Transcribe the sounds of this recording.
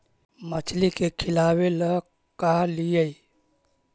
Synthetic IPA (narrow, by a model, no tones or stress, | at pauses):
mət͡ʃʰlikekʰɪlaːwelə | kalijəi